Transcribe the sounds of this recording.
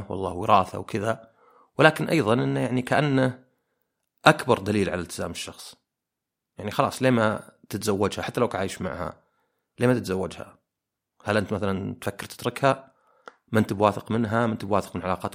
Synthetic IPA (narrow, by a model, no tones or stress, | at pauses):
wɑ̰lˤːɑ̰ːwɪɾɑːθa̰wkɪða | wɪlaːkɪnʔɑjðˤɑnʔɪnːajaʕnikaʔanːa | ʔakbɑɾˤd̪aliːlʕalalt̪ɪzaːmɪʃːɑxsˤ | jaʕnixɑlɑ̰ːsˤleːmat̪ɪt̪zawːad͡ʒhaħat̪ːalawkʕaːjʃma̰ʕha̰ | leːmat̪ɪt̪zawːad͡ʒha̰ | halʔɪnt̪maθalant̪fakːɪɾt̪ɪ̥t̪ɾˤɪkha | mɪnt̪ɪbwaːθɪqmɪnɦamɪnt̪ɪbwaːθɪ̥qmɪnʕalɑːqɑːt̪